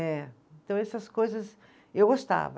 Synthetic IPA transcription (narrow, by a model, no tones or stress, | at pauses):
ɛ | ẽnt̪ɐ̃w̃ɛsɐskojzɐs | ewɡost̪a̰vɐ